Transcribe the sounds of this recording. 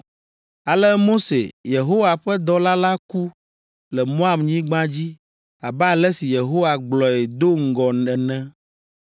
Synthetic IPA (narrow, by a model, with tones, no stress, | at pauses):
a˨lɛ˦mo˦sḛ˨je˨ɦo˦wa˨ɸɛ˦d̪ɔ˦la˦la˦ku˦ | lɛ˨mõ˦a˨mɲĩ˦ɡ͡bã˦d͡ʑi˦ | a˨bɛ˦a˨lɛ˦si˨je˨ɦo˦wa˨ɡ͡blɔ˨e˨d̪o˦ŋ̩˦ɡɔ˨nɛ˨nɛ̃˦